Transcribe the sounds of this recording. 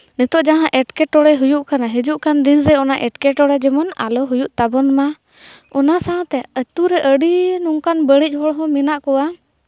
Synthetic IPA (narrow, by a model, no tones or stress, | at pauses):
nit̪ɔʔd͡ʒaɦãʔɛʈkɛʈɔɽɛɦujuʔkanaɦid͡ʒuʔkand̪inɾɛɔnaʔɛʈkɛʈɔɽɛd͡ʒɛmɔna̰lɔɦujuʔt̪abɔnma | ɔnasãt̪ɛət̪uɾɛʔəɽinuŋkanbəɽic̚hɔɽɦɔ̃minaʔkɔwa